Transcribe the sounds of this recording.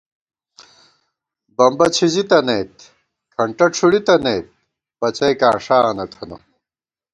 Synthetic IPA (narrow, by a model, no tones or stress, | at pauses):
bɐmbɐt͡ɕʰizit̪ɐnejt̪̚ | kʰɐɳʈɐʈ͡ʂʰuɽit̪ɐnejt̪̚ | bɐt͡ɕɐjkãːʂaːɐnɐt̪ʰɐnɐ̰